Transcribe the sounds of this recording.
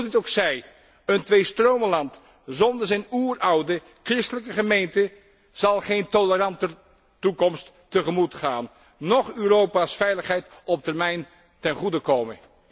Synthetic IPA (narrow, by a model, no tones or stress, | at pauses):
dɪtowksɛj | əntʋejstrowməlɑnt | zɔndəɹzɛjnuːrɑwdə | krɪstələkəχəmejntə | z̥ɑlˠχejntolərɑntə | tukɔmstː | əχəmutχaːnː | ɔχyːrowpaːsfɛjləχɦɛjtɔp̚tərmɛjn | tɛnχudəkowmən